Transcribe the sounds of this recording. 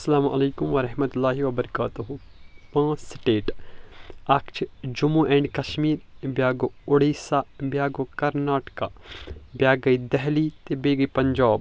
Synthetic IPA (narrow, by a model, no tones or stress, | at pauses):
ɐsːɐlaːmʔɐleːkʊmʋɐɾɐɦmɐt̪ʊlːaːɦiʋɐbɐɾɐkaːt̪uɦu | pãːsɪʈeːʈ | ɐkt͡ʃʰd͡ʒʊmuʔɛ̃ːɳɖkɐʃmiːɾbjaːɡoʊɽiːsabjaːɡokɐɾnaːʈkabjaːɡɐid̪ɛɦlit̪ebeːɡɐpɐɲd͡ʒaːb